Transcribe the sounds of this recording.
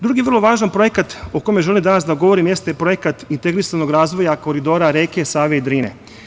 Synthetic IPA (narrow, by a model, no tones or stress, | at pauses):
d̪ɾuɡiʋər̩lˠoʋaːʒanpɾo̞jekat̪okojmeʒe̞limd̪anasd̪aɡoʋo̞ɾimjest̪epɾojekat̪int̪e̞ɡɾisano̞ɡɾaːzʋo̞jako̞ɾid̪o̞ːɾaɾeke̞saːʋeid̪ɾiːnḛ